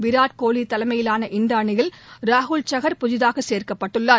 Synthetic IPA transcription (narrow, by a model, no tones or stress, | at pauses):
ʋɪɾaːʈ̚koːɭit̪ːɐlɐmɐjɪlaːnɐʔɪnd̪aːɳɪjɪlɾaːɦʊɭt͡ʃɐɣɐɾpʊðɪðaːɣɐseːɾkɐpːɐʈːɯɭːaː